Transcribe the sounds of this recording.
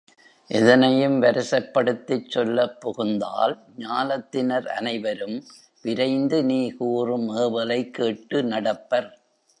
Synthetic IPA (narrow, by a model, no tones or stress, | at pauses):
ʔɛðɐnɐjɯmʋɐɾɐsɐpːɐɽɯt̪ːɪt͡ʃːɔlːɐpːɔɣɯnd̪a̰ːl | ɲaːlɐt̪ːɪnɐɾɐ̰nɐɪʋɐɾɯm | ʋɪɾɐɪnd̪ɯniːkuːrɯmeːʋɐlɐɪkːeːʈːɯnɐɽɐpːɐɾ